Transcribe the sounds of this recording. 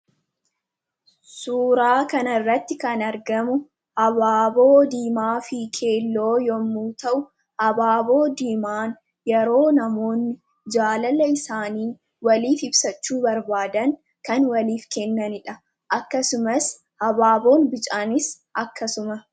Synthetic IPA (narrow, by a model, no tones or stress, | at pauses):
suːɾaːkɐnɐɪrːɐt̪ːɪkɐnɐɾɡɐmʊ | hɐbaːbo̞ːd̪iːmaːfɪkʰe̞ːlːo̞ːjɔmːuːt̪ɐʔʊ | hɐbaːbo̞ːd̪iːmaːn | jɛɾo̞ːnɐmo̞ːnːɪ | d͡ʒaːlɐlɐɪsaːniː | wɐliːfɪbsɐt͡ʃːuːbɐɾbaːd̪ɐŋ | kɐnwɐliːfkɛnːɐnɪᶑɐ | ʔɐkːɐsʊmɐs | hɐbaːbo̞ːnbɪt͡ʃʼaːnɪs | ʔɐkːɐsʊmɐ